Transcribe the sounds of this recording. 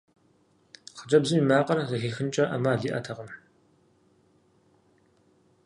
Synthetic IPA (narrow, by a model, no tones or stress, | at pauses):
χəd͡ʒʼɐbzɨmiːmaːqʼɐrɐzɐxiːxɨnt͡ʃʼɐʔɐmaːɮiːʔɐ̰tʰɐqəm